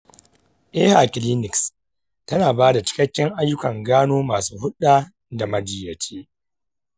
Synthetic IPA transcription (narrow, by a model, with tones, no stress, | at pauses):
ʔeː˦ha˨kʲɪ˨liː˦nɪ˨ks | tɐ˦naː˨baː˦da˨t͡ʃɪ̥˦kɐ˦kʲːɪ˦ŋʔa˦jːʊ˦kɐ˨ŋɡaː˦noː˦maː˨suː˦hʊ˦ɗaː˦ | da˨mɐ˨d͡ʒɪ˨jɐ˨t͡ʃʰeː˦